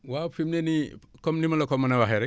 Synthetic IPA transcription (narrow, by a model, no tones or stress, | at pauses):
wapʰimnenikʰɔmnimalakʰɔmanawaɦeɾe